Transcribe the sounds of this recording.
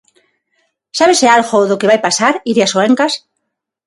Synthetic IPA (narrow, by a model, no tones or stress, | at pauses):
saβesealɣoðokeβajpasaɾiɾiasoeŋkas